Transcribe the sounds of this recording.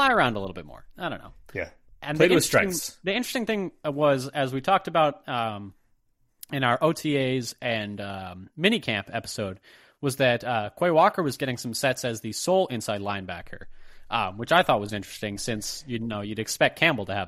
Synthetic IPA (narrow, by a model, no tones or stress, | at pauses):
aɪə˞ãʊ̃ndəlɪɾl̩ˠbɪt̚mɔ̰ɹaɪɾõʊ̃nːo̰ʊjæ̰ | ʔɨ̃nlðieɪ̃sɹ̥ɪ̃ŋðiɪ̃nt͡ʃɹ̥stɪ̃ŋθɪ̃ŋwʌzɨzwitʰɔk̚tɨbaʊɾʌ̃m | ɨ̃ñaʊə˞ʔoʊtʰieɪzɨ̃nʌmɪ̃ñikʰæ̃mpɛpə̥soʊd̚ | wʌzðɨtʌkʰw̥eɪwɑkə˞wʌzɡɛɾɪ̃ŋsʌ̃msɛtsɨzðɨsoʊlˠɪ̃nsaɪdˡlãɪ̃nbækʰə̰˞ʔʌ̃mwɨt͡ʃaɪθɔt̚wʌzɪ̃nt͡ʃɹ̥ɨ̥stɪ̃ŋsɪ̃nsjɨdnoʊjɨɾɨkspɛk̚kʰæ̃mbl̩ˠtɨə